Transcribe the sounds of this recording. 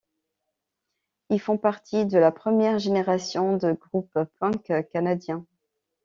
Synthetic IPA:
ilfɔ̃paʁt̪ʰid̪əlapχəmjɛʁʒeneʁasjɔ̃d̪əɡʁuppɛ̃kkanad̪jɛ̃

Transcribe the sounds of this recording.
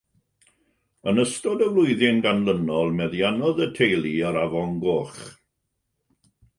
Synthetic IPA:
ənəstɔdəvlˠʊɨðɪnɡanlənɔlˠmɛðjanɔðətʰejlˠiəɾavɔŋɡoːχ

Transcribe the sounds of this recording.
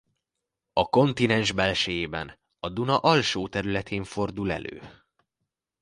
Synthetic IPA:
ɒko̞nt̪inɛnʒbɛlʃɛjeːbɛ̰n | ɒd̪unɒʔɒlʃoːt̪ɛɾylɛt̪ʰeːɱfo̞rd̪ulɛ̰lø̰ː

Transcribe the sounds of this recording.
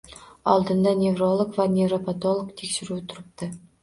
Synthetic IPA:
ɑ̰lˠd̪ɤ̆nd̪ɑnʲevrolˠŏkvɑnʲevropɐt̪olˠŏkt̪ʰʲikʃɘ̆ɾʲut̪uɾp̚t̪ɤ

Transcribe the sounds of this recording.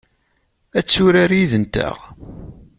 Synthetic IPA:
æt͡sːʊɾaɾjiðənt̪æ̰ʁ

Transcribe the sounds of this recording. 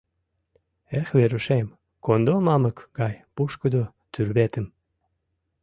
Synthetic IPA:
exveɾəʃem | kond̪omɑməkɡɑjpuʃkəd̪o | t̪yrβet̪əm

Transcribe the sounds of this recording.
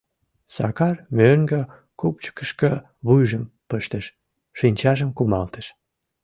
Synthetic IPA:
sɑ̰kɑrmøŋɡə | kup̚t͡ɕə̥kəʃkə | βujʒəm | pəʃt̪əʃ | ʃinʲt͡ɕɑʒəmkumɑlt̪əʃ

